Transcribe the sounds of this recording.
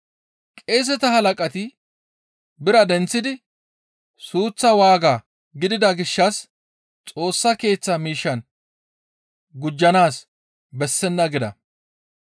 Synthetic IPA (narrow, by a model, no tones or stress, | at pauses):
kʼeːs̬ɛt̪ɐhɐlɐkʼɐt̪ɪ | bɪɾɐd̪ɛnt͡sːɪd̪ɪ | suːt͡sːɐwaːɡaː | ɡɪd̪ɪd̪ɐɡɪʃːɐs | t͡sʼo̞ːsːɐke̞ːt͡sːɐmiːʃːɐn | ɡʊd͡ʒːɐnaːs | bɛsːɛnːɐɡɪd̪ɐ̰